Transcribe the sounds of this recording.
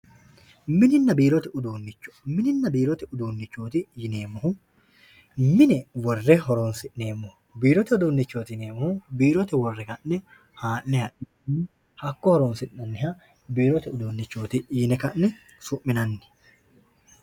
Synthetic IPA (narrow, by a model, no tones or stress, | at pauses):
mɪnɪnːɐbiːɾɔt̪ɛʊd̪uːnːɪt͡ʃːɔ̥mɪnɪnːɐbiːɾɔt̪ɛʊd̪uːnːɪt͡ʃːoːt̪ɪjɪne̞ːmːɔhʊ | mɪnɛwɔrːɛɦɔɾoːnsɪʔne̞ːmːɔhʊ | biːɾɔt̪ɛʊd̪uːnːɪt͡ʃːoːt̪ɪjneːmːɔhʊbiːɾɔt̪ɛwɔrːɛkɐnːɛ | haːʔːɛhɐʔɪ | ɐnːɛ | hɐkːɔhɔɾoːnsɪʔːɐnːɪhɐ | biːɾɔt̪ɛʊd̪uːnːɪt͡ʃːo̞ːt̪ɪjɪnɛkɐnːɛ | sʊʔːɪnɐnːɛ̥